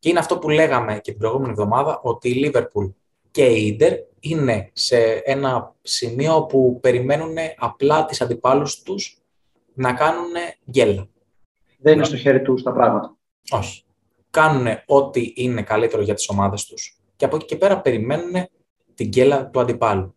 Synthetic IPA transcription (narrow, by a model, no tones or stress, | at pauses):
ce̞ineɐft̪o̞pule̞ɣɐme̞cet̪ibɾo̞jɣume̞nievðo̞mɐðɐʔo̞t̪iːlive̞ɾpul | ce̞iid̪e̞ɾ | ine̞se̞e̞nɐsimio̞pupe̞ɾime̞nune̞ʔɐplɐt̪isɐnd̪ipɐlust̪us | nɐkɐnune̞ɟe̞lɐ | ðeninest̪o̞çe̞ɾit̪ust̪ɐpɾɐɣmɐt̪ɐ | o̞çi̥ | kɐnune̞o̞t̪iʔine̞kɐlit̪e̞ɾo̞ʝɐt̪i̥so̞mɐðe̞st̪u̥s | ceɐpo̞ci̥ce̞pe̞ɾɐpe̞ɾime̞nune̞ | t̪iɲɟe̞lɐt̪uɐnd̪ipɐlu